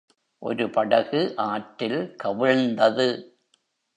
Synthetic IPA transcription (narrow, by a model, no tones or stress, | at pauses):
ʔɔ̰ɾɯpɐɽɐɣɯʔaːʈːɪlkɐʋɪɻnd̪ɐðɯ